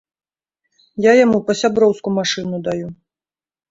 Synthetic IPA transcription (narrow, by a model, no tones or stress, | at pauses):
jajamupɐsʲabɾɔwskumaʂɨnud̪aju